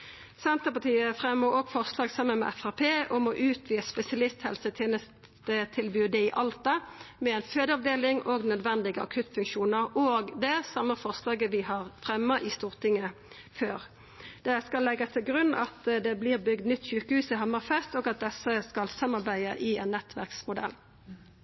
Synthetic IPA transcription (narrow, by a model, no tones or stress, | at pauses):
sɛnt̪əpɑt̪ʰiːəfʁɛmːəɾoːɡfɔʁslɑːɡsɑmːənmɛ̰ʔɛfæʁpʰeːɔmɔʔʉːt̪ʰʋiːəspɛsɪɑlɪst̪hɛlsət̪ʰɛːnəst̪ | ət̪ʰɪlbyːd̪ɛɪʔɑlt̪ɑmɛɛnføːd̪əɑʋd̪eːlɪŋoːɡnœd̪ʋɛnd̪ɪɡəɑ̰kʰʉt̪fʉŋkʃuːnəʁoːɡd̪ɛsɑmːəfɔʁslɑːɡəʋɪɦɑʁfʁɛmːəʔɪst̪uːʁt̪ʰɪŋə | føːʁ | d̪̥ɛskɑlːɛɡːəst̪ʰɪlɡʁʉnːɑ̰t̪d̪ɛblɪːʁbʏɡd̪nʏt̪ːçʉːkəhʉːsɪɦɑmːɑʁfɛst̪ɔːɡɑt̪̚d̪ɛsːəskɑlsɑmːɑʁbæɪəʔɪɛnːɛt̪ʰʋæ̰ʁksmʊd̪ɛ̰lː